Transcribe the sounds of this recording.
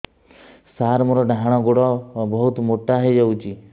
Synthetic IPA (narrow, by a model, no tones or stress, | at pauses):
saɾmɔɾɔɖʱaɽ̃ɔɡoɽɔbɔɦut̪moʈːaɦed͡ʒawt͡ʃi